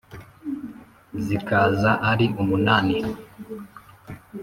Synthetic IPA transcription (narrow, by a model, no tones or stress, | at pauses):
zikazaʔaɾiʔumunaːni